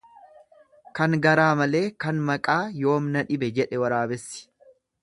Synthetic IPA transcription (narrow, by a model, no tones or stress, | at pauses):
kɐŋɡɐɾaːmɐle̞ːkɐnmɐkʼaːjo̞ːmnɐᶑɪbɛd͡ʒɛᶑɛwɐɾaːbɛsːɪ̥